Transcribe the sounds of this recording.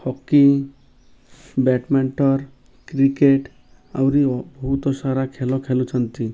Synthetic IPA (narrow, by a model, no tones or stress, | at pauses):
hɔkːi | bɛʈmɛɳʈɔɾ | kɾikeʈ | a̰wɾibɔɦut̪ɔʃaɾakʰɛlɔkʰɛlut͡ʃʰɔnt̪i